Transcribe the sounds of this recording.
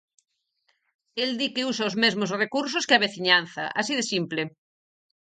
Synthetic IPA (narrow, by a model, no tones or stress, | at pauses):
eld̪ikeusaozmezmozrekuɾs̬oskeaβeθiɲan̟θɐ̰ʔasiðesimple